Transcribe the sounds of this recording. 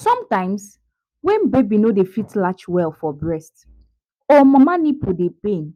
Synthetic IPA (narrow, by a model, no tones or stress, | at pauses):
sɔ̃mtãɪ̃ms | wɛ̃nbebinodefitlat͡ʃwɛlfɔbɹɛst | ɔmãmanipʰudepẽn